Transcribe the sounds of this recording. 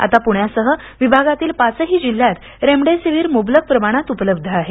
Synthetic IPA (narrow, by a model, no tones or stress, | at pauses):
a̰t̪apuɳjasəɦə | ʋibʱaɡat̪iːlpat͡səɦiːd͡ʑil̤ːjat̪ | ɾemɖesiʋiːɾmoblək̚pɾəmaɽ̃at̪upələb̚d̪ʱəaɦe